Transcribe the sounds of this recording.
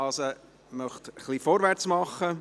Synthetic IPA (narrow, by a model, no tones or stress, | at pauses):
ɑsə | mœχt̪əχlifɔɾvæɾt͡smɑχːə